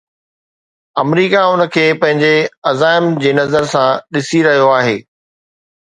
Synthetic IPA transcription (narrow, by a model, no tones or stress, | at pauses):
ɐmɾiːkaʊnə̆kʰeːpɐ̃ɦɪ̃ɲd͡ʑeɐzaːɪmd͡ʑeːnɐzəɾsãɗɪsiɾɐɦijoaːɦeː